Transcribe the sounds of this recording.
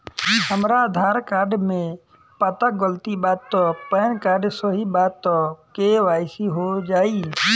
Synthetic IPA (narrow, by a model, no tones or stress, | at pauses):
ɦəmɾaəd̪ʱaːɾkaːɾɖmẽ | pət̪əɡəlt̪ibaːt̪̚ːɔpənkaːɾɖsəɦibaːt̪̚ːɔkeʋaːɪsiɦod͡ʒaːi